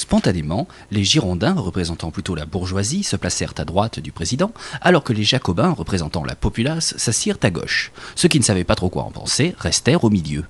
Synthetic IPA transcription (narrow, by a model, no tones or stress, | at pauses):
spɔ̃t̪anemɑ̃ | leʒiʁɔ̃d̪ɛ̃ʁəpχezɑ̃t̪ɑ̃plyt̪olabuʁʒwazisəplasɛʁt̪ad̪ʁwat̪d̪ypχezid̪ɑ̃alɔʁkəleʒakɔbɛ̃ʁəpχezɑ̃t̪ɑ̃lʔa̰pɔpylasːasiʁt̪aɡɔ̰ʃsəkʲinəsavɛpat̪χokwa̰ɑ̰̃pɑ̰̃seʁɛst̪ɛʁomiljø